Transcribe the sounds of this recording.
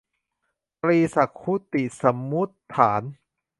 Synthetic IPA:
pɾiː˧sa˨˩kʰːu˦˥t̪i˨˩sa˩˦mːu˦˥t̪ʰːaː˩˦n

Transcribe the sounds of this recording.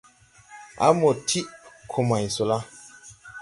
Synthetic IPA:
a̰˦mo˨tʰi˦ʔkʰo˨ma˨jso˨la˦

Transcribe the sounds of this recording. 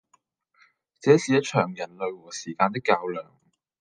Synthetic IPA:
t͡sɛː˨˥siː˨jɐ˥t̚t͡ʃʰœː˨˩ŋjɐ˨˩nlɵ˨˧ɥwɔː˨˩siː˨˩kaː˧nt̪ɪ˥kːaː˧wlœː˨˩ŋ

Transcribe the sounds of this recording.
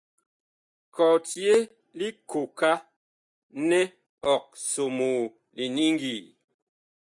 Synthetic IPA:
kʰɔ˨tje˦ | li˦ko˨ka˦ | nɛ˦ | ɔ˨k̚so˨moː˨ | li˨ni˦ŋ˦ɡi˨

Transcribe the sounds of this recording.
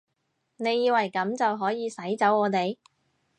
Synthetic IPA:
ne˨˧jːiː˧wɐ˨˩jkɐ˨˥mt͡sɐ˨wɦɔː˨˥jiː˨˧sɐ˨˥jt͡sɐ˨˥wɔː˨˧t̪e˨j

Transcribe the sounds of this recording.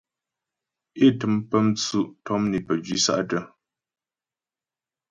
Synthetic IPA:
e˦˨tɨ˨˦mpə˦m̩˦t͡su˦ʔtʰɔ˦mni˨pə˨d͡ʒɥi˦sa̰˦ʔtə˦˨

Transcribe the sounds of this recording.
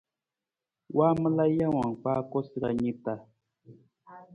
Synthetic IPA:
wa˦m˦la˦ja˦wa˨ŋpaː˦ko˦sɾa˨ɲi˦t̪a˨

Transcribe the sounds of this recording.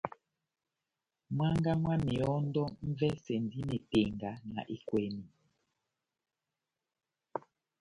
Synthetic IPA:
mwa˦ŋɡa˦mwa˦mi˨ɔ˦ndɔ˦m̩˦vɛ˦se˨ndi˦ne˨te˨ŋɡa˨˦na̰˨ʔi˦kwɛ˨mi˨

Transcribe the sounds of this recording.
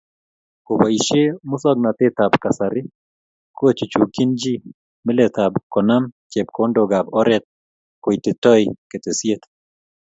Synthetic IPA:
ko˨ba˨i˨ʃe˦mʊ˦sɔ˦ɡ̚na˨t̪e˦t̪a˨bka˨saɾɪ˦ | ko˦t͡ʃu˨t͡ʃu˨ki˦nd͡ʒi˦ | mɪ˦let̪abkɔ˨na˦mt͡ʃɛ˨b̚ko˦ndoɡa˨bɔ˦ɾɛt̪̚ | ko˨jtɪ˨tɔ˦jke˨t̪e˨si˦et̪

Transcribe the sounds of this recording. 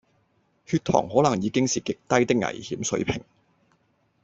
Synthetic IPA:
hyː˧t̚t̪ʰɔ̰ː˨˩ŋhɔː˨˥lɐ˨˩ŋjiː˨˧kɪ˥ŋsiː˨kɪ˨k̚t̪ɐ˥jt̪ɪ˥k̚ŋɐ̰˨˩jhiː˨˥msɵ̰˨˥ɥpʰɪ˨˩ŋ

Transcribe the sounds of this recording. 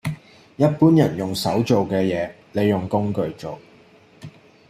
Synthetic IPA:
jɐ˥t̚puː˥njɐ˨˩njʊ˨˩ŋsɐ˨˥wt͡ʃo˨wkɛː˧jɛː˨˧ | ne˨˧jːʊ˨˩ŋkʊ˥ŋkɵ˨˧ɥt͡so˨w

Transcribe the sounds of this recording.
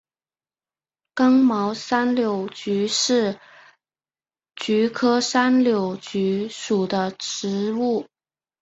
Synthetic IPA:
kɤ˥ŋmɑ˧˥ʊsa˥nljo˨˥ʊt͡ɕy˧˥ʂɻ̩˥˩ | t͡ɕy˧˥kʰɤ˥sa˥nljo˨˩ʊt͡ɕy˧˥ʂu˨˩d̪ə˦ʈ͡ʂɻ̩˧˥u˥˩

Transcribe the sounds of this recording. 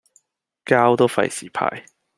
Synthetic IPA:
kaː˥wt̪o˥wfɐ̰˧˥jsiː˨˩pʰa̰ː˧˩j

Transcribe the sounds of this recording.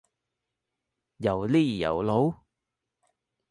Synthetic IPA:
jɐ˨˩wliː˥˩jɐ̰˨˩wlo˨˥w

